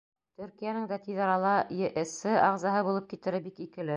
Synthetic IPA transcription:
t̪ɵ̆ɾkijænɘŋd̪æt̪iðɑɾɑlˠɑjɘʔɘ̆sɘɑʁzɑɦɤbulˠɤp̚kit̪ɘ̆ɾɘbikikɘ̆lɘ

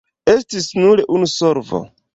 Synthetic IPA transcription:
e̞stisnuɾeʔunusoɾvo̰

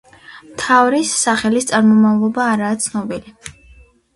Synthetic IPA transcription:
mt̪ʰavɾisːaχɛlist̪sʼaɾmɔmavlˠɔbaːɾaːt̪sʰnɔbili

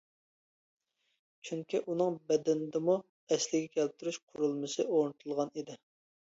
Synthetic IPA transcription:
t͡ʃʰyŋkʲiʔunɨŋbɛd̪ɛnd̪ɪmu | ɛslɪɡʲɛkʲʰɛlp̚t̪ʰuɾyʃqʰʊɾulˠmɨsɨoɾnɨt̪ʰulˠʁɑnid̪ɪ

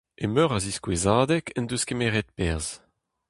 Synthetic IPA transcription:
emøʁaziskwezaːd̪ɛkɛnd̪øskemeːʁɛt̪̚pɛʁz̥

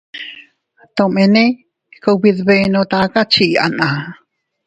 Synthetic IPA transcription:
t̪omene | koubiðβenot̪akat͡ʃiʔa̰nʔa

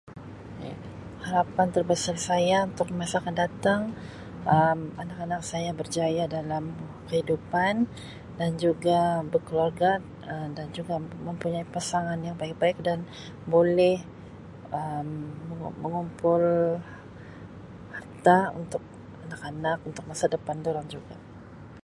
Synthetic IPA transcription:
ja̰ | haɾapant̪ərbəsarsajaunt̪ʊk̚məmasalkandat̪aŋ | əmanakanak̚sajabərd͡ʒajadalam | kəhidupan | dand͡ʒuɡabərkəluarɡa | ədand͡ʒuɡaməmpuɲaipasaŋanjaŋbaik̚baɪk̚dan | bolɛh | əmːəməŋumpʊl | hart̪aṵnt̪ʊk̚ | anakanakunt̪ʊk̚masadəpandoɾaŋd͡ʒuɡa

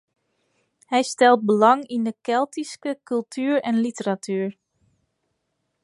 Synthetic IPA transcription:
hɛjstɛlˠt̚bəlɑŋindəkɛlˠtiskəkylˠtʰyːɹɛnlitəɾatʰyːɹ

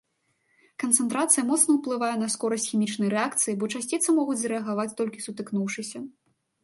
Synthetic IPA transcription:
kɐnt̪sɛnt̪ɾat̪sɨjɐmɔt̪snɐwplˠɨvajɛnɐskɔɾɐsʲt͡sʲxʲimʲit͡ʂnɐjɾɛakt̪sɨjibɔt͡ʂasʲt͡sʲit̪sɐmɔɣud͡zʲzɾɛɐɣavat͡sʲt̪ɔlʲkʲisut̪ɨknuwʂɨsʲɐ

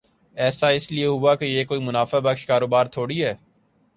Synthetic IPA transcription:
ɛːsaɪslieɦʊaːkejeːkoːiːmʊnaːfabəkʃkaːɾoːbaːɾt̪ʰoːɽiɦɛː

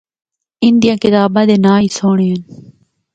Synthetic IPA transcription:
ɪnd̪ijãːkɪt̪aːbãːd̪eːnaːiːsoːɳeən

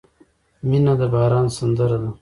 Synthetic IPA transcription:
minad̪əbɑːɾɑːnsand̪əɾad̪a

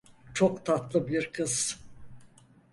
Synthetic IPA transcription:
t͡ʃʰokt̪ʰat̪lˠɯbiɾkʰɯz̥

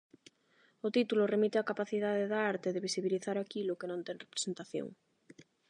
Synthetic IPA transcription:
ʊt̪it̪ulʊremit̪eakapaθiðaðeðaaɾt̪eðeβisiβiliθaɾakilʊkenõnt̪ɛŋrepɾe̥sent̪aθjo̰ŋ

